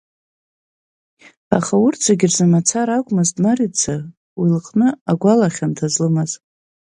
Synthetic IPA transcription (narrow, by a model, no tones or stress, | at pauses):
aχaʊrt͡sʷʰaɡʲɪrzamat͡sʰaɾakʷʼmaztʼnarit͡sʰa | wilqʼnɨaɡʷalaχʲantʰazlɨmaz